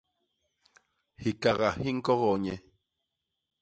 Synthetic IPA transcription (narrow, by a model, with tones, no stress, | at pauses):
hi˨ka˨ɣa˨hi˦ŋ̩˦kɔ˦ɣɔ˨ɲɛ˨